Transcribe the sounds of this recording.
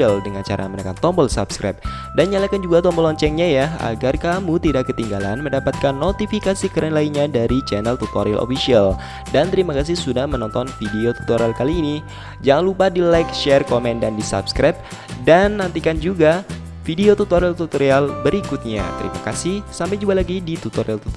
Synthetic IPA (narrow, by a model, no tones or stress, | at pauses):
aldəŋant͡ʃa̰ɾʔa̰mənakant̪ɔmbɔlsa̰pskɾɛ̰p̚ | danɲalakand͡ʒuɡat̪ɔmbɔlɔɲt͡ʃɛŋɲajaa̰ɡarkamut̪idakːət̪iŋɡala̰nməndapat̪̚kanːot̪ifikasikəɾɛnlainɲadaɾit͡ʃɛnɛlt̪ut̪oɾilʔo̰fisial | dant̪əɾimakas̬ɪhsudahmənɔnt̪ɔnfideot̪u̥t̪oɾalkaliːni | d͡ʒaŋanlupadilajkʃɛrkomɛndandisa̰pskɾap̚ | danːant̪ikand͡ʒuɡa | fideot̪ut̪oɾilt̪ut̪oɾialbəɾikut̪̚ɲa̰t̪əɾḭma̰kasɪhsampajd͡ʒuɡalaɡidit̪ut̪oɾilt̪u